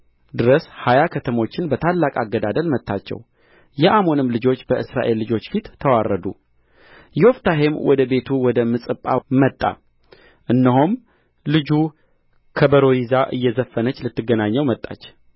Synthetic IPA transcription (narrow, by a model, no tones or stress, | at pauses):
d̪ɨɾəshajakʰət̪ʰəmo̞t͡ʃːɪnbət̪ʰalːakʼaɡːəd̪ad̪əlmət̪ʰːat͡ʃːɛ̰w | jɛʔamo̞nɨmlɨd͡ʒo̞t͡ʃːbəʔɨsɾa̰ʔe̞lːɨd͡ʒo̞t͡ʃːfit̪ːʰəwarːəd̪ṵ | jɛoft̪ʰaɦemwʔɔ̰d̪əbe̞t̪ʰuwɔd̪əmɨsʼɨpʼːa̰mət̪ʼːa̰ | ʔɨnːəɦum | lɨd͡ʒu | kʰəbəɾo̞izaʔɨjːɛzəfːənət͡ʃːlɨt̪ːɨɡːənaɲːəwmət̪ʼːa̰t͡ʃː